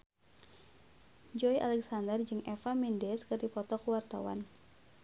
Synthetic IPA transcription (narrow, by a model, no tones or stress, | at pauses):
d͡ʒɔiʔa̰lɛksandərd͡ʒɨŋʔɛfamindɛskɨrdipɔt̪ɔkuwart̪a̰wa̰n